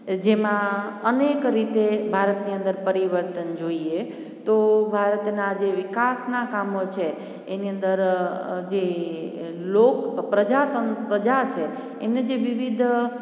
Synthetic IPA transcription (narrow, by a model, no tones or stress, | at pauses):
d͡ʒemãənekɾit̪ebʱaɾət̪niə̃nd̪əɾpəɾiʋəɾt̪ənd͡ʒoie | t̪obʱaɾət̪nad͡ʒeʋikasnakamot͡ʃʰeː | niə̃nd̪əɾd͡ʒe | lokpɾəd͡ʒat̪ənpɾəd͡ʒat͡ʃʰeː | mned͡ʒeʋiʋid̪ʱ